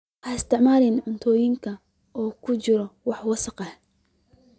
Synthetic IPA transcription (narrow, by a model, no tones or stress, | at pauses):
ʔɐɪst̪ʰɪʕmaːɾɪnʕʊnt̪ʰɔːjɪŋkʰɐ | ɔːkʰʊt͡ʃɪɾɔwɑħwɑsɑqɐh